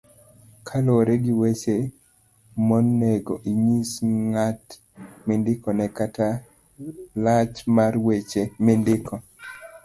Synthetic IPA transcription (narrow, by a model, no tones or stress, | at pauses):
kʰaloɾeɡiwese | monːeɡoʔiɲisŋat | mendɪkɔnɛkata | lat͡ʃmarwet͡ʃemendɪkʰɔ